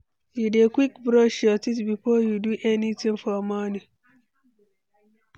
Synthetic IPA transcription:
judekwikbɾɔʃɔtitbifɔjuduʔɛnitʰĩŋfɔmɔni

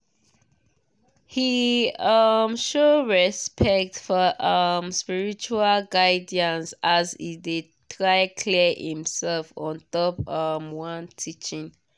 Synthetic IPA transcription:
hiʌmʃoɹɛspʰɛk̚tfɔʔʌmspiɹit͡ʃualɡaɪdiãnsazide | tʰɹaɪkʰlɛhḭ̃msɛlfɔ̃ntɔpʌmwʌ̃ntʰit͡ʃĩŋ

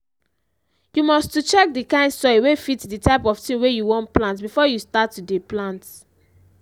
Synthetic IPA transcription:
jumɔstut͡ʃɛk̚dikãɪ̃ndsɔjwefitditaɪpɔftĩnwejuwɔ̃ntplãntbifɔjustatːudeplãnt

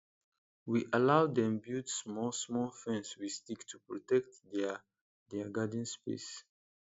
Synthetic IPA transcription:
wiʔalaʊd̪ɛ̃mbudsmɔlsmɔlfɛ̃nswistiktʰupɹɔtɛk̚tdɛ | dɛɡad̃nspḛs

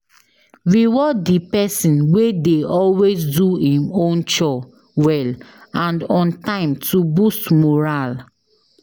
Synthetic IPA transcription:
ɹiwɔdipɛsĩnwedeɔlwesduhĩmõnt͡ʃɔ | wɛlãndɔ̃ntãɪ̃mtubustmɔɹal

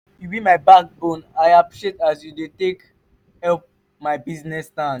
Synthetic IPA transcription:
fubimaɪbak̚bõnaɪapɹiʃetasjudetek | hɛlp̚ | maɪbiznɛstãn

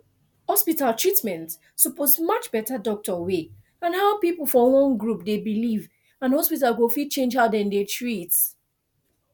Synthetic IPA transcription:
hɔspitalˠtʰɹ̥itmɛ̃nt | sɔpozmʌt͡ʃb̥ɛtədɔk̚təwe | ãnhaʊpipəl̩ˠfɔlɔ̃ŋɡɹup̚debiliv | ãnhɔspitalwofit͡ʃẽnd͡ʒhaʊdɛ̃ndetʰɹit

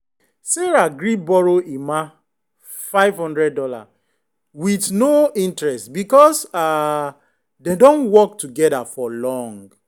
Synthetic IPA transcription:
seɹaɡɹibɔɹoʔima | faɪvhɔ̃ndɹɛd̚ɔla̰ | witnoĩntɹɛstbikɔsa | dedõnwɔk̚tuɡɛdafɔlɔ̃ŋɡ

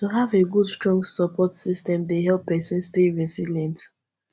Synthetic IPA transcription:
tuɦaveɡudstɹɔ̃ŋɡsɔpʰɔtsistɛ̃mdeɦɛlˠpːɛsɛ̃nsteɹiziljɛ̃nt

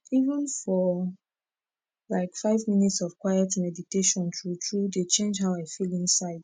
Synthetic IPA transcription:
ivə̃nfɔ | laɪkfaɪvmĩnitsɔv̥kwajɛtmɛditeʃɔ̃ntʰɹutʰɹudet͡ʃẽnd͡ʒɦaʊaɪfilĩnsaɪd

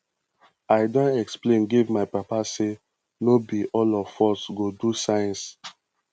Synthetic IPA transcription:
aɪdɔ̃nɛksplẽnɡivmaɪpapase | nobiʔɔlɔvfɔsɡodusãɪ̃ns

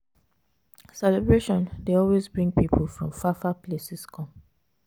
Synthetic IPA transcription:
sɛlɛbɹeʃɔ̃ndeɔlwezbɹĩŋɡ̚pipʰolfɹɔ̃mfafaplesɪskʰɔ̃m

